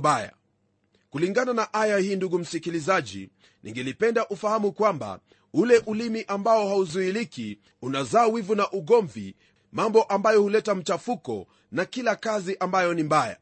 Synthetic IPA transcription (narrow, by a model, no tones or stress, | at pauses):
ɓaja̰ | kuliŋɡananaʔajahiːnduɡum̩sikilizaʄḭ | nʔḭŋɡɛlipɛndaʔufahamukwamba̰ | ulɛʔulimiʔambaɔhauzuiliki | unazaːwivunaʔuɠɔɱvḭ | mambɔʔambajɔhulɛtam̩t͡ʃafukɔ̰ | nakilakaziʔambajɔnimbaja̰